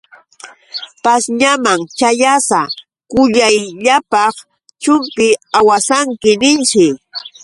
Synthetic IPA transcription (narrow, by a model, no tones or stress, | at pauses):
pasɲamaŋt͡ʃajasa | kʊʎajʎapɑχ | t͡ʃʊmpɪawasaŋkɪnɪnt͡ʃɪ